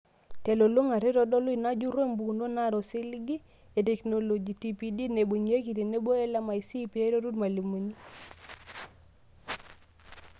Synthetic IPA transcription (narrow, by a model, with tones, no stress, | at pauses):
te˨lo˨lo˦ŋa˨ɾɪ˦ɾɔ˨dɔ˦lʊ˦i˨na˦d͡ʒu˦ɾe˦˨mbu˨ndo˦na˦˨ɾɔ˨si˦lɡi˦ | e˨tɛ˨kno˨lo˨d͡ʒi˨ti˨pi˨di˦ne˨bo˨ɲe˦ki˨ɾi˨ne˦bo˦ɛ˦la˦ma˨i˨si˦pi˨e˦ɾo˦ɾu˦dma˨li˨mo˨ni˦